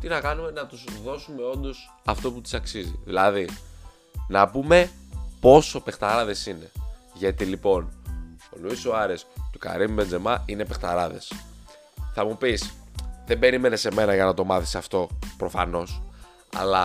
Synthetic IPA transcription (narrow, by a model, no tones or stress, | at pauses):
t̪inɐkɐnume̞nɐt̪usðo̞sume̞o̞nd̪o̞s | ɐft̪o̞put̪i̥sɐksizḭðilɐði | nɐpume̞po̞so̞pe̞xt̪ɐɾɐðe̞sine̞ | ʝɐt̪ilipo̞no̞luisoɐɾest̪ukɐ̰ɾimbe̞nd͡zemɐʔine̞pe̞xt̪ɐɾɐðe̞̰s | θɐmupisðe̞mbe̞ɾime̞ne̞se̞me̞nɐʝɐnɐt̪o̞mɐθisɐft̪o̞pɾo̞fɐ̰no̞s | ɐ̰lɐ